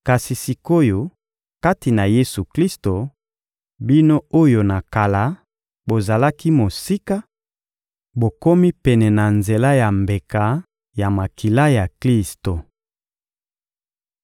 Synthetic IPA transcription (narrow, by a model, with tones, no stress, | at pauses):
ka˨si˨si˨ko˦jo˨ | ka˦ti˨na˨je˦su˨kli˦sto˨ | bi˦no˦o˦jo˨na˨ka˨la˨ | bo˨za˨la˦ki˦mo˨si˦ka˦ | bo˨ko˦mi˦pɛ˨nɛ˨na˨nze˨la˦ja˨mbe˨ka˦ | ja˨ma˨ki˨la˦ja˨kli˦sto˨